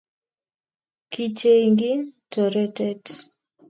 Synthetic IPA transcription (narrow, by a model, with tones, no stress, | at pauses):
ki˨t͡ʃe˦iŋɡi˦ntɔ˨ɾɛ˦tɛ˦d